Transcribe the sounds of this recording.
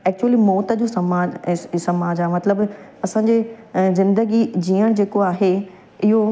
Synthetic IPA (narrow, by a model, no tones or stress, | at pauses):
ɛːk̚t͡ɕuəlimɔːt̪ə̆d͡ʑoːsɐmaːsɐmaːd͡ʑaːɦemɐt̪ləb | ɐsãːɲd͡ʑeːzɪ̃nd̪əɡid͡ʑiːəɽ̃d͡ʑeːkoaːɦe | ɪɦo